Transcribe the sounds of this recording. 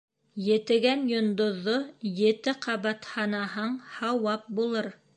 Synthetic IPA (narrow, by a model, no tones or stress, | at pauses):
jɘ̆t̪ɘ̆ɡænjŏnd̪ŏðːojɘ̆t̪ɘqʰɑβɑt̪hɑnɑɦɑɴhɑwɑp̚bulˠɤɾ